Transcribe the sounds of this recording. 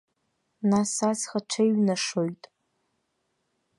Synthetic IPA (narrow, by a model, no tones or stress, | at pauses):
nasasχaʈ͡ʂʷʰejɥnaʂojtʼ